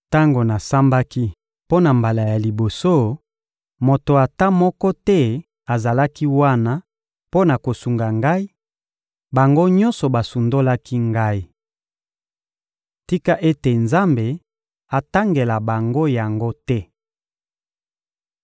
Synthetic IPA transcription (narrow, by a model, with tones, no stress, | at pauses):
ta˦ŋɡo˨na˨sa˦mba˦ki˦ | po˦na˨mba˨la˨ja˨li˨bo˨so˦ | mo˨to˨a˨ta˦mɔ˦kɔ˦tɛ˦ | a˨za˨la˦ki˦wa˦na˦ | po˦na˨ko˨su˨ŋɡa˨ŋɡa˦i˦ | ba˨ŋɡo˦ɲɔ̃˦nsɔ˨ba˨su˨ndo˦la˦ki˦ŋɡa˦i˦ | ti˦ka˦ʔe˦te˨nza˦mbe˨ | a˨ta˦ŋɡe˨la˨ba˨ŋɡo˦ja˨ŋɡo˦tɛ˦